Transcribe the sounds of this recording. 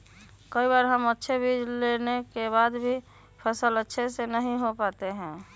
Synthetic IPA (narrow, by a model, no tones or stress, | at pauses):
kəibaːɾɦəmətːʃʰebʱiːd͡ʒlenekebaːd̪bʱi | pʰəsələtːʃʰesenəɦĩɦopaːt̪eɦɛ̃ː